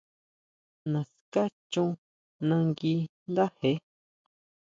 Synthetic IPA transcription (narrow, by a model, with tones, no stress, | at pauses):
nã˨ska˦t͡ʃũ˦˧ | nã˧ŋɡi˧nd̪a˦he˨˦